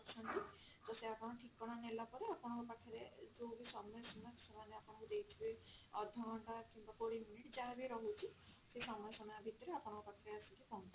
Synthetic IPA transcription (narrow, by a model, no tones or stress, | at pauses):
t͡ʃʰɔnt̪i | d͡ʒɔseapɔɽ̃ɔʈʰikːɔɽ̃anelapɔɾeapɔɽ̃ɔkupakʰɔɾed͡ʒobisɔmɔjɔsɔmɔjsemaneapɔɽɔkud̪ejt̪ʰibeɔd̪ʱɔɽ̃ɔɳʈakimbakoɽiminiʈd͡ʒabiɾɔɦut͡ʃʰisesɔmɔjɔsɔmɔjɔbʱit̪ɔɾeapɔɽ̃ɔ̃kupakʰɔɾeasɔk̪ipɔunt̪a